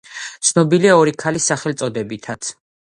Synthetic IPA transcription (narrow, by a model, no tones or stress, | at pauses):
t̪sʰnɔbiliaɔɾikʰalisaχɛlt̪sʼɔd̪ɛbit̪ʰat̪sʰ